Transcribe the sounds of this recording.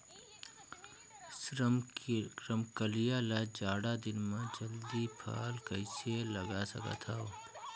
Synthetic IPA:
ɾəmkəlijalad͡ʒaːɽad̪ɪnmãd͡ʒɐld̪ipʰa̰ːlkɐiselɐɡasɐ̰kə̰t̪ʰao

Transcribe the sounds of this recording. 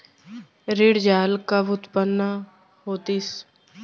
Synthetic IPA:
ɾɪɽd͡ʒaːlkaʋʊt̪pənːa | hoːt̪is

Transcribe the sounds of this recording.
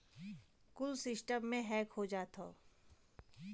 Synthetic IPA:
kʊlsɪsʈəmːẽɦɛːkhod͡ʒaːt̪o̰ː

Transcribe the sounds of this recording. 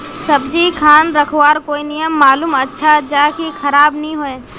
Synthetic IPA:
sɐbd͡ʒikʰaːnɾɐkʰwaːɾkoːinɪjəmːaːluːmɐtːʃʰad͡ʒaːkikʰɐɾaːbnɐɦĩɦoːẽː

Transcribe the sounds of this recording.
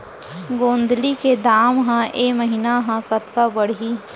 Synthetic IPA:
ɡõːnd̪liked̪aːmɦãʔeːməɦiːnaɦãkɐt̪kabəɽ̤ɦi

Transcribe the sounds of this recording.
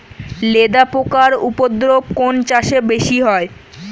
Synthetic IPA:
led̪apokaɾupod̪ɾob̚kont͡ɕaʃebeʃiɦɔe

